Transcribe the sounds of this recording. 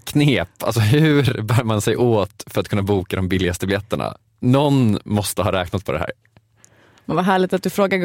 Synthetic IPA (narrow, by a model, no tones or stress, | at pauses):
kʰneːpa̰lsɔɦʉɾbæːɾmansɛjʔoːt̪fœɾat̪kʰɵnːabuːkad̪ɔmbɪlːɪɡast̪əblɛt̪ːəɳa̰ | nɔnmɔst̪əɦɑːɾɛːknat̪̚pʰɔd̪ɛɦæ̰ːɾ | mɛnvaɦæːɭɪɡt̪at̪̚d̪ɵfɾoːɡa